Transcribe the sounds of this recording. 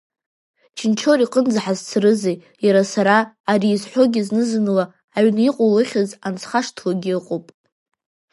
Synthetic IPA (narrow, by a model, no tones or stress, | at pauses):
t͡ʃʰɪnt͡ʃʰo̞ɾiqʼənd͡zaħazt͡sʰrɨzej | jaɾasaɾaː | ɾiːzħʷo̞ɡʲɪznɨzɨnɨlaː | ɥniqʷʼolɨχʲazant͡sʰχaʂtʰloɡʲiɨqʼopʼ